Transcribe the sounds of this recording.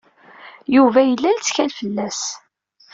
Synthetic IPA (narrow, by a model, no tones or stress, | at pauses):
juvæjəlːælt͡sːçælfəlːæs